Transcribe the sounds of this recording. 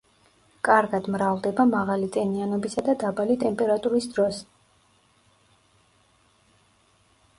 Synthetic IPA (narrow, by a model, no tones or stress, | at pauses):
kʼaɾɡad̪mɾavlˠd̪ɛbamaʁalit̪ʼɛnianɔbisad̪ad̪abalit̪ʼɛmpʼɛɾat̪ʼuɾisd̪ɾɔs